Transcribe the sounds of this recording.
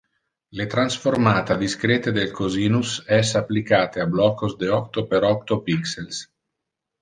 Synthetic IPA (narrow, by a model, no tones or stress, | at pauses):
let̪ɾansfoɾmaːt̪ad̪iskɾet̪ed̪elkoziːnusɛsapːlikaːt̪eablɔkozd̪eɔkt̪opeɾɔk̚t̪opiksels